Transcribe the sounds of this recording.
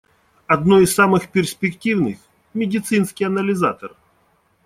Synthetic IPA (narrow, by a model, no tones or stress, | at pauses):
ɐd̪noɪsːamɨxpʲɪrsʲpʲɪktʲivnɨx | mʲɪdʲɪt̪sɨnskʲɪjɐnəlʲɪzat̪ər